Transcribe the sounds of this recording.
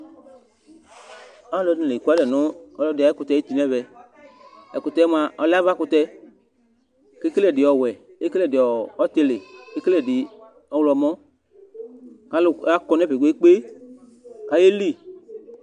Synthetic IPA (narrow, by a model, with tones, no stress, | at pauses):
a˦lɔ˧nĩ˨le˨i˨ku˦a˦dɛ˨nʊ̃˦ɔ˦lɔ˧˦dɪ˨a˨˦e˦kʊ˧t̪ɛ˨˦i˦t̪i˦˨nɛ̃˦vɛ˨ | ɛ̰˨kʊ˨t̪ɛ˨˦m˨a˨ʔɔ˨la˦va˦kʊ˧t̪ɛ˧ | ke˦ke˦lɛ˦˨dɪ˨ɔ˨wɛ˨ | e˦ke˦lɛ˦˨dɪ˨ɔ˨ɔ˦t̪e˧le˨ke˦ke˦le˦˨di˨ | ɔ˨wlɔ˧˨mɔ̃˦ | ka˦la˦kɔ˧˦nɛ˦pe˨ɡu˨˦e˦k͡pe˦ | ka˨je˦li˦˨